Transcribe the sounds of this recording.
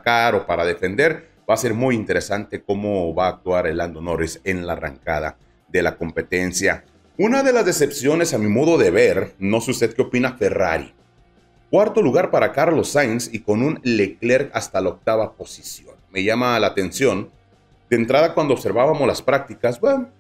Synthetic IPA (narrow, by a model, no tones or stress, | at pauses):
akaɾo̞paɾaðe̞fe̞nd̪e̞ɾ | base̞ɾmujint̪e̞ɾe̞sant̪e̞ko̞mo̞βaːk̚t̪waɾeland̪ono̞ɾese̞nlara̰ŋkað̞a̰ | ðe̞lako̞mpe̞t̪e̞nsja | unaðe̞lazðe̞se̞psjo̞ne̞samimo̞ðo̞ðeβe̞ɾno̞sust̪eðkeo̞pinafe̞ra̰ɾḭ | kwaɾt̪o̞luɣaɾpaɾakaɾlo̞sajnsiko̞nunlekle̞ɾast̪alaok̚t̪aβapo̞si̥sjo̞̰nme̞ʝamalaːt̪e̞nsjo̞n | d̪̥ent̪ɾaðakwand̪oβse̞ɾβaβamo̞zlaspɾak̚t̪ikasba